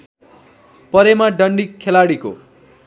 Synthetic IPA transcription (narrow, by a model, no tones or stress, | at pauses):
pʌɾemaɖʌɳɖikʰːelaɽiko̰